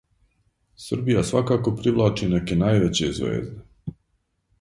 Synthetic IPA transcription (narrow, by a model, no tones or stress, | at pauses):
sr̩bijasʋakaːko̞pɾiʋlˠaːt͡ʃine̞kenaːjʋet͡ɕezʋḛːzd̪e